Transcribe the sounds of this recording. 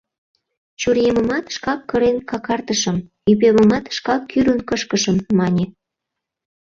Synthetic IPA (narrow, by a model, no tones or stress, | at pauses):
t͡ɕurjeməmɑt̪ʃkɑkːəɾenkɑkɑrt̪əʃə̆m | ypemə̆mɑt̪ʃkɑkːyɾənkəʃkəʃəmːɑnʲe